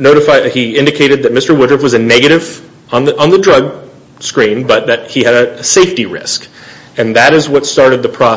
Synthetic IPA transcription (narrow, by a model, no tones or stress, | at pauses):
noʊɾɨfaɪiɪ̃ndɨkʰeɪɾɨd̪̚ðɨt̚mɪstə˞wʊdɹɨfwʌzɨnɛɡɨɾɨṽ | nðə̃nðɨdɹʌɡ̚ | skɹĩmbʌt̪̚ðɨt̚hiɨɾɨseɪftiɹɪ̰sk | ɨ̃nðɨɾɨzwʌtstɑɹɾɨd̪̚ðɨpʰɹ̥ɑ